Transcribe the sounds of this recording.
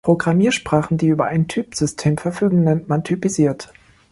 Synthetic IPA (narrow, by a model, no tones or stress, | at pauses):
pʁ̥oɡʁamiːɐʃpʁ̥aːχn̩diːʔyːbɐʔaɪntʰyːpz̥ʏstʰeːmfɛɐfyːɡŋ̩nɛntmantʰypiziːɐt